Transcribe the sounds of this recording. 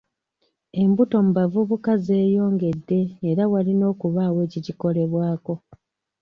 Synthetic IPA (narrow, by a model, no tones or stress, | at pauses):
e̞mbuto̞mubavuβukaze̞ːjo̞ːŋɡe̞dːe̞ːɾawalino̞ːkuβaːwe̞ːciciko̞le̞βwaːko̞